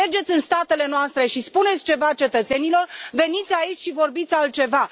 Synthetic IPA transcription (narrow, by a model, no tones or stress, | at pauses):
erd͡ʒe̞t̪sʲɨnst̪at̪e̞le̞noast̪ɾe̞ʃispune̞t̪sʲt͡ʃe̞vat͡ʃe̞t̪ət̪se̞nilo̞rve̞nit̪sʲait͡ʃʲʃivo̞rbit̪sʲalt̪̚t͡ʃe̞va